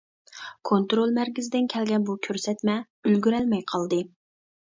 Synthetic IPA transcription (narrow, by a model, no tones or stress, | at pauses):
kʰont̪ɾolˠmæɾkʲɪzɪd̪ɪnkʲʰɛlɡʲɛnbukʲʰøɾsɛt̪mɛ | ylɡʲyɾɛlmɛjqʰɑlˠd̪ɨ